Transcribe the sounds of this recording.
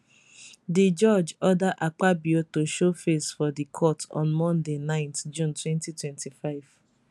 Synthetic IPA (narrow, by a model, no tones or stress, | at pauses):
did͡ʒɔd͡ʒɔdaʔak͡pabiotoʃofesfɔdikʰɔtʰɔ̰̃nmɔ̃ndenãɪ̃ntd͡ʒũntwɛ̃ntitwɛ̃ntifaɪv̥